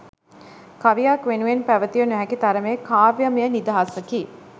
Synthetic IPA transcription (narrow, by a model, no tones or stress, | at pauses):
kaʋijakʋenuʋenpæʋət̪ijənæɦækit̪aɾəmeːkaːʋjəmijənid̪aɦasəkiː